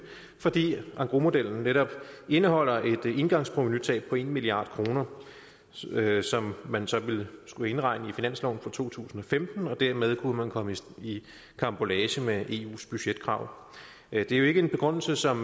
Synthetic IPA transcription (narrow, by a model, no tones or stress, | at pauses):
fɒ̽d̥ḭːʔɑ̈ŋɡ̥ʁomo̝d̥el̰n̩neɾɒ̽b̥e̝nəɦɒ̽l̰ɐʔe̝d̥e̝nɡ̥ɑ̈ŋspʰʁominyt͡sʰɛ̰ːb̥̚pʰɒ̽e̝nmiliɑ̈ːd̥kʰʁo̝ːnɐ | sɒ̽mmænsɒ̽ʋe̝lsɡ̥ue̝nʁɑ̈ɪ̰nəifinæn̰slɒ̰ʊn̩fɑt͡sʰo̝̰ːt͡sʰṵːsn̩ɒ̽femd̥n̩ɒ̽d̥æɐmeð̞ˠkʰuəmænkʰɒ̽məi | kʰɑ̈mb̥o̝lɛːɕəmeʔe̝̰ːṵːsb̥yɕed̥̚kʰʁɑ̈ʊ̰ | d̥e̝æjo̝e̝ɡ̥əe̝nb̥e̝ɡ̥ʁɔn̰l̩səsɒ̽m